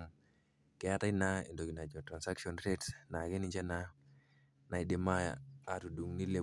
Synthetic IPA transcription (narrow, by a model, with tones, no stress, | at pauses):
kɛ˨jata˦inaḭndo˨ɡi˨na˨d͡ʒɔ˨tɾa˨nsa˦kʃonɾetna˨ɡe˦niɲd͡ʒa˦na | na˨jɗemaja̰atu˨du˨ŋni˦le